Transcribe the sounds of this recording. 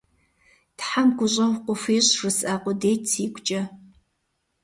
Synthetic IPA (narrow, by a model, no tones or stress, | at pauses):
tħamɡʷʊɕʼɐwʷqʷʊfʷiːɕrɨsaːqʷʊdeːtʰiːɡʷʰʼt͡ʃʼɐ